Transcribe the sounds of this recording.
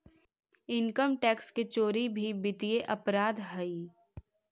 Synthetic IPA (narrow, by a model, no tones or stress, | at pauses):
ɪŋkəmʈɛːksket͡ʃoːɾibʱibɪt̪ieʔɐpɾaːd̪ɦɐi